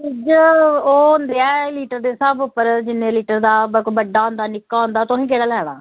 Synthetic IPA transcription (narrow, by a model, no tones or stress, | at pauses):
ɪd͡ʒoːɦʊnd̪eːɛːliːʈəɾd̪eːsəbʊpːəɾd͡ʒɪnːẽːliːʈəɾd̪aːbəkobəɖaːɦõːnd̪aːnɪkːaːõːnd̪aːt̪ʊɦĩːkeːɽaːlɛːɽ̃a̰ː